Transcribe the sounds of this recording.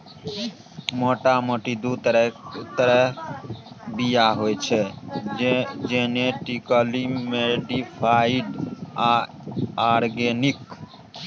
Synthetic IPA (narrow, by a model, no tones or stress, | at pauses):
moʈamoʈid̪ut̪əɾə | bijaɦojt͡ʃʰe | d͡ʒeneʈikəlimeɖipʰaiɖa | aɾɡenik